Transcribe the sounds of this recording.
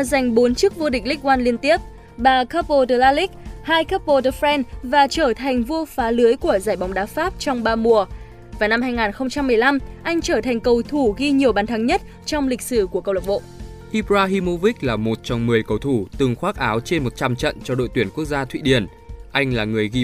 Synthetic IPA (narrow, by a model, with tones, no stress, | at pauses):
za˨˩jŋ̟ɓo˨˦nt͡ɕɨ˦˥k̚vo˧ɗi˨˩k̟̚lï˦˥k̚waː˧nli˧ənt̪i˦˥əp̚ | ɓaː˨˩kaː˦˥p̚o˧tə˧˩laː˧lï˦˥k̚haː˧jkaː˦˥p̚po˧tə˧fɾɛ˧nvaː˨˩t͡ɕəː˧˩t̪ʰa˨˩jŋ̟vo˧faː˨˦lɨ˨˦əjku˧˩əzaː˧˩jɓɔ˨˦ŋ͡mɗaː˨˦faː˦˥p̚t͡ɕɔ˧wŋ͡mɓaː˧mu˨˩ə | vaː˨˩na˧mhaː˧jŋaː˨˩nxə˧wŋ͡mt͡ɕa˧mːɨ˨˩əjla˧mʔa˧jŋ̟t͡ɕəː˧˩t̪ʰa˨˩ŋ̟kə˨˩wt̪ʰu˧˩ɣi˧ɲi˨˩əwɓaː˨˩nt̪ʰa˨˦ŋɲə˦˥t̚ | t͡ɕɔ˧wŋ͡mlï˨˩k̟̚sɨ˧˩kəkə˧wlə˨˩ɓo̰˧˨ʔ | ʔi˧pzaː˧ɦi˧mo˧vi˦˥k̚laː˨˩mo˨˩t̚t͡ɕɔ˧wŋ͡mmɨ˨˩əjkə˨˩wt̪ʰu˧˩t̪ɨ˨˩ŋxwaː˦˥k̚ʔaː˨˦wt͡ɕe˧nmo˨˩t̚t͡ɕa˧mt͡ɕə̰˧˨nt͡ɕɔ˧ɗo̰˧˨jt̪wənku˦˥ək̚zaː˧t̪ʰwḭ˧˨ɗi˨˩ən | ʔa˧jŋ̟laː˨˩ŋɨ˨˩əjɣi˧